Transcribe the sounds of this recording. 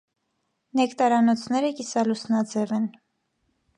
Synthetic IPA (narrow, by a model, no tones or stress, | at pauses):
nɛkt̪ɑɾɑnɔt͡sʰnɛɾəkisɑlusnɑd͡zɛvɛn